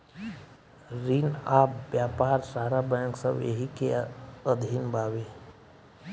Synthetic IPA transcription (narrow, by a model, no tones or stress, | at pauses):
ɾinaːpbjaːpaːɾsaːɾabɛ̃ŋksəbḛɦikeəd̪ʱiːnbʱaːʋe